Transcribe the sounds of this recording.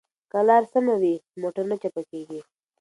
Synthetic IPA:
kalɑɾsəmawimoʈəɾnat͡ʃapakeɡi

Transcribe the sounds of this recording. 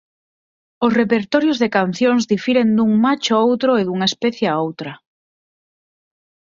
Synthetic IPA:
ʊsrepeɾt̪ɔɾjozðekan̟θjoŋzðifiɾend̪uŋmat͡ʃoowt̪ɾoeðuŋaespɛθjeaowt̪ɾɐ

